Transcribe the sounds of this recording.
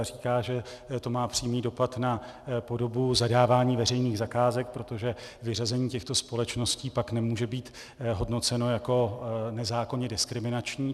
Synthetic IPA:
riːkaːʒɛt̪o̞maːpr̥iːmniːdo̞pat̪napo̞do̞buzadaːvaːɲiːvɛr̝ɛjniːɣzakaːzɛk̚pɾo̞t̪o̞ʒɛvɪrazɛɲiːcɛxt̪o̞spo̞lɛt͡ʃno̞sciːpaknɛmuːʒɛbiːt̪ | ɦo̞dno̞t͡sɛno̞jako̞nɛzaːkoɲɛdɪskɾɪmɪnat͡ʃɲiː

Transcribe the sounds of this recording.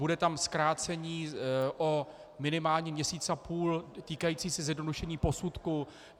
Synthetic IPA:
budɛt̪amskɾaːt͡sɛɲiːʔo | mɪnɪmaːlɲimɲɛsiːt͡sapuːlt̪iːkajiːt͡siːsɛzjɛdnoduʃɛɲiːpo̞sut̪ku

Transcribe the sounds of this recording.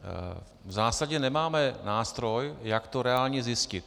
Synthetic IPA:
vzaːsaɟɛnɛmaːmɛnaːst̪ɾo̞jjakt̪o̞ɾɛaːlɲɛzɪscɪt̪̚

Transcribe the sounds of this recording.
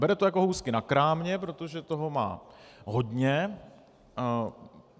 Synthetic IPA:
bɛɾɛt̪ojako̞ɦuwskɪnakɾaːmɲɛpɾo̞t̪o̞ʒɛt̪o̞ɦo̞ma̰ːɦod̪ɲɛ

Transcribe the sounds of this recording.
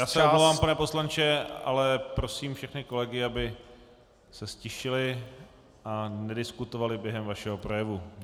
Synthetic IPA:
jaːsɛomlowvaːmpanɛpo̞slant͡ʃɛa̰lɛpɾo̞siːmfʃɛxnɪko̞lɛɡɪabɪ | sɛscɪʃɪlɪ | ʔanɛdɪskut̪ovalɪbjɛɦɛmvaʃɛɦo̞pɾojɛvu

